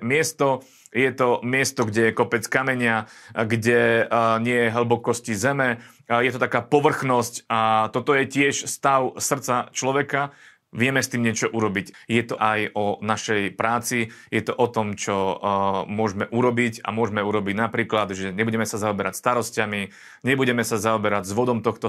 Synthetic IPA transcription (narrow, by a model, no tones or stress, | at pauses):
mɪɛst̪ɔ | jɛt̪ɔmɪɛst̪ɔɡɟɛjɛkɔpɛt͡skamɛɲɪaɡɟɛɲɪɛjɛɦəl̩bɔkɔscizɛmɛ | jɛt̪ɔt̪akaːpɔʋr̩xnɔscat̪ɔt̪ɔjɛcɪɛʃst̪aʊsr̩t̪t͡sat͡ʃlɔʋɛka | ʋɪɛmɛst̪iːmɲɪɛt͡ʃɔʔuɾɔbiɟjɛt̪ɔʔajɔnaʃɛjpɾaːt͡sijɛt̪ɔʔɔt̪ɔmt͡ʃɔ | mʊɔʒmɛʔuɾɔbica̰mʊɔʒmɛuɾɔbiɟnapɾiːklad̪ʒɛɲɛbuɟɛmɛsazaɔbɛɾacst̪aɾɔscami | ɲɛbuɟɛmɛsazaɔbɛɾaɟzʋɔd̪ɔmt̪ɔxt̪ɔ